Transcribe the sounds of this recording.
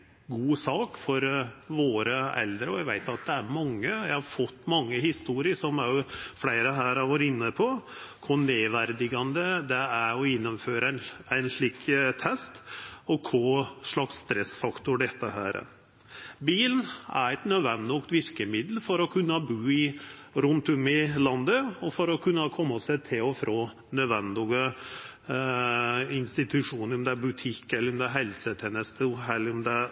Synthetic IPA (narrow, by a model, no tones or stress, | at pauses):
ɡuːsɑːkfɔɾʋoːɾəɛ̰ld̪ɾəɔʋæɪʋæɪt̪ɑt̪̚d̪ɛæɾmɑŋːəjæɪhɑɾfɔt̪ːmɑŋːəhɪst̪uːɾɪəʂɔmæflæɪɾəɦæːɾɑʋɑɾɪnːəpʰɔkʰʊneːʋæɾd̪ɪɡɑnd̪əd̪ɛæɾɔɪnːəmføːɾəænæɪnʂɭiːkt̪ʰɛst̪ɔkʰɔʂɭɑksːt̪ɾɛsfɑkt̪ʊɖɛt̪ːəhæ̰ːɾə̰ | biːlnæ̰ɾɛt̪nœd̪ʋɛnd̪ɪkt̪ʋɪɾkəmɪd̪lfɔɾɔkʰʉnːəbʉːɪɾʉnt̪ʊmɪlɑnd̪əɔfɔɾɔkʰʉnːəkʰɔmːəsæɪt̪ʰɪlɔfɾʔoː | nœd̪ʋɛnd̪ɪɡə | ɪnst̪ɪt̪ʰʉʂuːnəɾɔmd̪ɛæɾbʉt̪ʰɪkːɛlːəɾɔmd̪ɛæɦɛlsət̪ʰɛnəst̪ʰɛlːəɾʊmd̪ɛæ